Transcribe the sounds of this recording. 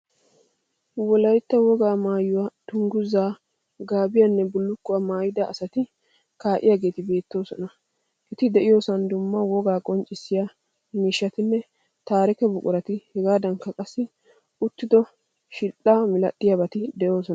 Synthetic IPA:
wɔlɐjt̪ːɐwɔɡaːmaːjʊwat̪ʊŋɡʊzaː | ɡaːbɪjanːɛbʊlːʊkːʊwamaːjɪd̪ɐʔːsɐt̪ɪ | kaːʔɪ̰jaːɡe̞ːt̪ɪbe̞ːt̪ːo̞ːsɔnɐ | ʔɛt̪ɪd̪ɛʔɪjo̞ːsɐnd̪ʊmːɐwɔɡaːkʼɔnt͡ʃʼɪsːɪja | miːʃːɐt̪ɪnːɛ | t̪aːɾɛkɛbʊkʼʊɾɐt̪ɪhɛɡaːd̪ɐŋkːɐkʼɐsːɪ | ʊt̪ːɪd̪ɔ | ʃɪʔaːmɪlɐ̰ɗːɪjabɐt̪ɪd̪ɛjo̞ːsɔn

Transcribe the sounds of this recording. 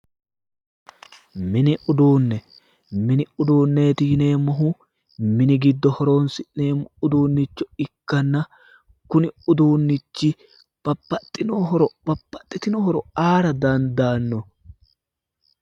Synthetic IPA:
mɪnɪʔʊd̪uːnːɛ | mɪnɪʊd̪uːnːe̞ːt̪iːne̞ːmːɔɦʊ | mɪnɪɡɪd̪ːɔhɔɾo̞ːnsɪʔneːmːʊʊd̪uːnːɪt͡ʃːɔɪkːɐnːɐ | kʊnɪʊd̪uːnːɪt͡ʃːɪ | b̥ɐpːɐt̪ʼːɪnoːɦɔɾɔbɐpːɐt̪ʼːɪt̪ɪnɔhɔɾɔaːɾɐd̪ɐnd̪aːnːɔ

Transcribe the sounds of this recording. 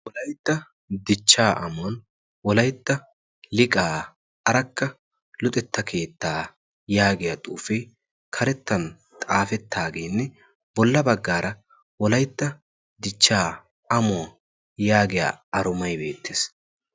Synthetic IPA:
wɔlɐjt̪ːɐ | d̪ɪt͡ʃːaːʔɐmn | wɔlɐjt̪ːɐ | lɪkʼaː | ʔɐɾɐkːɐ | lʊt̪ʼɛt̪ːɐkʰe̞ːt̪ːaː | jaːɡɪjat̪ʼuːfe | kʰɐɾɛt̪ːɐn | t̪ʼaːfɛt̪ʰːaːɡeːnːɛ | bɔlːɐbɐɡːaːɾɐ | wɔlɐjt̪ːɐ | d̪ɪt͡ʃːaː | ɐmʊ | jaːɡɪja̰ːɐɾʊmɐjbe̞̰ːt̪ːeːs

